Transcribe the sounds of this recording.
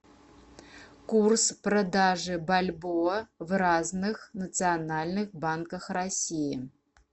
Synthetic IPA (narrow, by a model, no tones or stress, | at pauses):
kursprod̪aʐɨbalʲbovraznɨxnɐt͡s̪ɨjanalʲnɨxbankɐxrasʲijɪ